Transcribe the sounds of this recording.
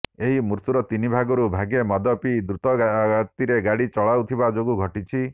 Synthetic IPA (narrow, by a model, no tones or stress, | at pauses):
eɦimuɾt̪uɾɔt̪inibʱaɡɔɾubʱaɡemɔd̪ɔpid̪ɾut̪ɔt̪iɾeɡaɽit͡ʃɔɭawt̪ʰibad͡ʒoɡuɡʱɔʈit͡ʃʰi